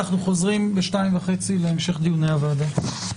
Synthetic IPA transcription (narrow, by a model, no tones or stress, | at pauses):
aχnuχo̞zʁimbeʃtaimvaχe̞t͡sileemʃe̞χd̪ijunejavada